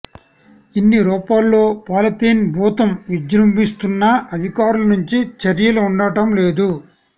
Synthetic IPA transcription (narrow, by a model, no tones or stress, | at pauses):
inːiɾɔːpaːlːo̞ːpaːlɐt̪iːnbʱuːt̪ɐmʋid͡ʒɾɐmbist̪unːɐɐd̪ʱikaːɾulɐnuɲt͡ʃit͡ʃɐɾjɐluːɳɖɐʈɐmle̞ːd̪u